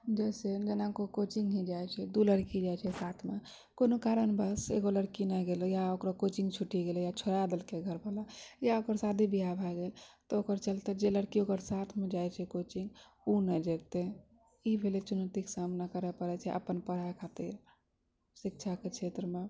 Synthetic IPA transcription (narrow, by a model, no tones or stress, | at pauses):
d͡ʒɛjsed͡ʒenakokot͡ʃiŋɡɦĩd͡ʒajt͡ʃʰɛd̪uləɽkid͡ʒajt͡ʃʰɛsat̪ʰme | konokaɾənbəsḛɡoləɽkinəɡelojaokɾakot͡ʃĩŋɡt͡ʃʰuʈiɡelojat͡ʃʰoɾad̪əlkeɡʱəɾbʱalajaokəɾsad̪ʱibʱiabʱaɡelt̪ɔokəɾt͡ʃəlt̪ed͡ʒeləɽkiokəɾsat̪ʰmed͡ʒajt͡ʃʰɛkot͡ʃĩŋɡ | unɛd͡ʒet̪e | ibʱelet͡ʃunət̪iksamnakəɾɛpəɾɛt͡ʃʰɛʔə̰pənpəɽ̤akʰat̪iɾ | sik̚t͡ʃʰaket͡ʃʰet̪ɾəme